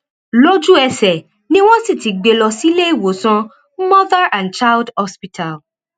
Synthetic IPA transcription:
lo˦d͡ʒu˦ɛ˧sɛ˨ | nĩ˦w̃ɔ̃˦si˦˨ti˨ɡ͡be˨lɔ˧si˦le˦i˦˨wo˨˦sã˧ | mɔ˦ða˦ã˨nt͡ʃa˦ldɔ˦spi˦tʰa˨l

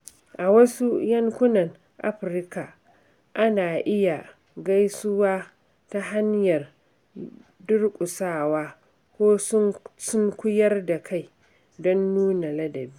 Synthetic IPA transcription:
ʔa˨wɐ˦su˦jɐ˦ŋkʷʊ˦nɐ˨ŋ | ʔa̰˦ɸɾka˨ | ʔa˦naː˨ʔɪ˦ja˨ | ɡa˦jsʊ˦waː˦ | ta˦ɦa˦ɲjɐ˨r | dʊ˦rkʷʼʊ˨saː˦˨waː˦ | kʷoː˦sʊ˦sʊ˦ŋkʷʊ˦jɐ˦rda˨kʰa˦˨j | dɔ˦nːuː˦na˨lɐ˦dɐ˨bi˦

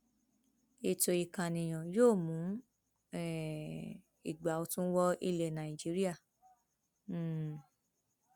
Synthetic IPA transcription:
e˧to˨i˨kã˨nĩ˨j̃ɔ̃˨joː˦˨mũ˨˦ | ɛ˦˨ | i˨ɡ͡ba˨˦o˧tũ˦wɔ˦ḭ˧le˧˨nã˨i˨d͡ʒi˨˦ɾi˦a˦˨˦

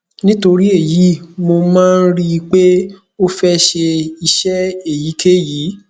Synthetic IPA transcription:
nĩ˦to˧ɾi˦e˦˨ji˨˦mo˧mãː˦˧n̩˦ɾi˦˧k͡pe˦ | o˦fɛ˦ʃe˧i˧ʃɛ˦e˦˨ji˨˦kʰe˦jiː˨˦

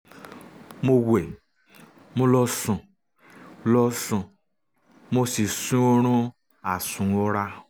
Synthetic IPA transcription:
mo˦we˨ | mo˦lɔ˦sũ˨˦ | lɔ˦sũ˨ | mo˦si˨sũ˦o˦ɾ̃ũ˦ | a˨sũ˨ɔ˦ɾa˦

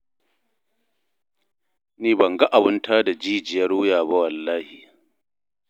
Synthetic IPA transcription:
niː˦bɐ˨ŋɡa˦ʔa˨wʊ˦ntʰaː˦da˨d͡ʒiː˦d͡ʒɪ˨jɐ˦ɽoː˦jaː˨ba˦wɐ˨lːaː˦hiː˨

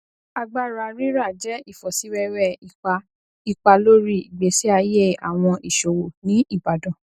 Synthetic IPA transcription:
a˧ɡ͡ba˦˨ɾa˧˨ɾi˦ɾa˦˨d͡ʒɛ˨˦i˦˨fɔ˨si˨˦ɾɛ˦ɾɛ˦˨i˨a˧ | i˧k͡pa˧lo˦ɾi˦˨i˨ɡ͡be˨˦si˦a˧˦je˦˨a̰˨w̃ɔ̃˧ʔi˨ʃo˨wo˨nĩ˨˦i˦˨ba˨dɔ̃˨

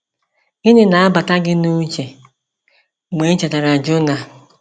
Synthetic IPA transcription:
ɪ˦nɪ˦na˨a˦ba˨ta˦ɡɪ˦nu˦t͡ʃe˨ | me˨˦n̩˦t͡ʃa˨ta˨ɾa˨d͡ʒʊ˦na˨

